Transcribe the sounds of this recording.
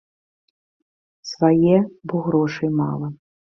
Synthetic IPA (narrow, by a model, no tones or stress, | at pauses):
svajɛbuɣɾɔʂɐjmɑ̰lˠɐ